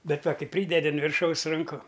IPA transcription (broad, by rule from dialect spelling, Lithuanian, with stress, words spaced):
ˈbʲɛt ˈʋɐ ˈkɐɪ ˈpʲrʲiːdʲɛdʲɪ ʊn ʋʲɪrˈʃɐʊs rɐŋˈkʊ